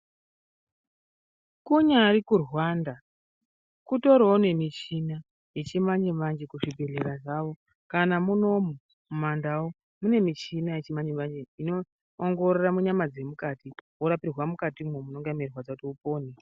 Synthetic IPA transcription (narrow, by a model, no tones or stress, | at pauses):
kuɲaɾikurwaːnda | kuto̞ɾoune̞mit͡ʃina | je̞t͡ʃimaɲimand͡ʒekuʐibʱe̞ɮe̞ɾaʐaʋo̞ | kanamuno̞mu | mumandawo | mune̞mit͡ʃinajet͡ʃimaɲemand͡ʒeinoː | ŋɡo̞roramuɲamad͡ze̞mukatiwoɾapirwamukatimwomunoŋɡamirwad͡zakutiupo̞ːne